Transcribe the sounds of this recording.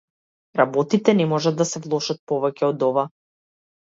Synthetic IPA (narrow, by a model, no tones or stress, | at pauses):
ɾabɔt̪it̪ɛnɛmɔʒad̪ːasɛvlˠɔʃat̪̚pɔvɛcɛɔd̪ɔva